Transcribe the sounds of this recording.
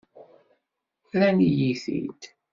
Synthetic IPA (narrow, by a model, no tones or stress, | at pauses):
ɾænijiθḭt̪